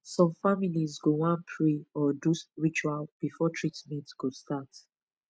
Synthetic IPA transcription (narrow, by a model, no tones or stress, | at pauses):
sɔ̃mfamilizɡowãnpʰɹiɔdusɹit͡ʃualb̥ifɔtʰɹitmɛ̃ntɡ̥ostat